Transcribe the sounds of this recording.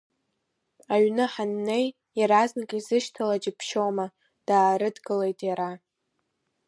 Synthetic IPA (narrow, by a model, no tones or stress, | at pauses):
aɥnɨħanːe̞j | jaɾaznakʼizɨʃtʰalad͡ʒʼɪpʰʃowma | d̥aːɾɨdɡɨle̞jtʼjaɾa